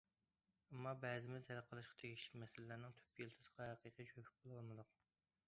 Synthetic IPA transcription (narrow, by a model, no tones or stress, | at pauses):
ɛmːɑbɛːzɪmɪzhɛlqʰəlˠɨʃqʰɑ̥t̪ʰeɡʲikʲlɪkʲmɛsɪlɪlæɾnɪŋt̪ʰy̥p̚kʲelˠt̪ʰɨsə̥qʰɑɦɛqiːqijt͡ʃʰøpʰy̥k̚ʲbolˠɑlˠmɨd̪ʊq̚